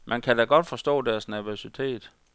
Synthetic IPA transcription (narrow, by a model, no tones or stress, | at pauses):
mʔænkʰædæɡ̥ɒ̽d̥fɒ̽sd̥ɔ̰̽ːdæɐsnæɐʋosit͡sʰe̝̰ːd̥